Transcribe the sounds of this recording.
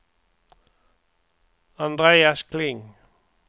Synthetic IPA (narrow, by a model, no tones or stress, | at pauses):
ɑnd̪ʁeːɑskʰlɪŋ